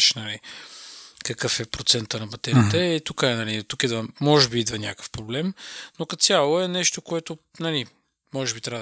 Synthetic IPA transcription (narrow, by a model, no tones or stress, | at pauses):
ʃnɐli | kəkɤfɛpɾot̪sɛnt̪ənɐbɐt̪ɛɾit̪ɛit̪ukəɛnɐlit̪ukid̪vəmɔʒɛbiid̪vənʲakə̥fpɾoblɛmnokɐsʲjalˠoɛnɛʃt̪okoɛt̪o | nɐli | mɔʒɛbit̪ɾʲa